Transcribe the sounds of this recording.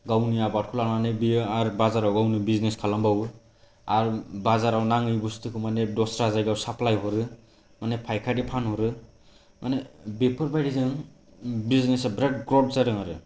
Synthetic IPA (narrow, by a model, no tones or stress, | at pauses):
ɡawniabat̚kʰulaɾmanɛbiaɾbazaɾawɡawnibizneskʰalambawɯ | aɾbazaɾawnaŋɯjbustɯkʰɯmanɛdɔsɾazajɡawsapʰlajɦɔɾɯ | manɛpʰajkʰadipʰanhɔɾɯ | manɛbepʰɯɾbajdizɯŋ | biznɛsɛbɾɛk̚ɡɾɔd̚zaɾɯŋaɾɯ